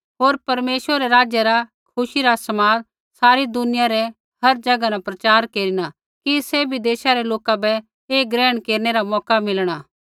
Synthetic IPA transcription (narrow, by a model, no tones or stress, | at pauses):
ɦoːɾpɐɾmeːʃwəɾɛɾaːd͡ʒjəɾa | kʰʊʃiɾasɐmaːd̪ | saːɾid̪ʊnɪjaɾɛ | hɐɾd͡ʒɐɡanapɾɐt͡ʃaːɾkeːɾina | kisɛbʱid̪eːʃaɾɛloːkabɛ | eːɡɾɛːɽ̃keːɾñeɾamɔːkamɪlɽ̃aː